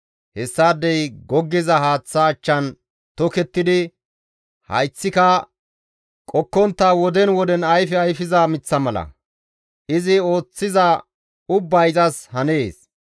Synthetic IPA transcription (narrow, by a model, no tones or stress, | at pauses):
hɛsːaːd̪ːɛjɡɔɡːɪzɐɦaːt͡sːɐːt͡ʃːɐn | t̪ɔkɛt̪ːɪd̪ɪ | hɐ̰jt͡sːɪkɐ | kʼɔkːɔnt̪ːɐwɔd̪ɛnwɔd̪ɛnɐjfɛɐjfɪzɐmɪt͡sːɐmɐlɐ̰ | ʔɪzɪo̞ːt͡sːɪzɐ | ʊbːɐjzɐshɐneːs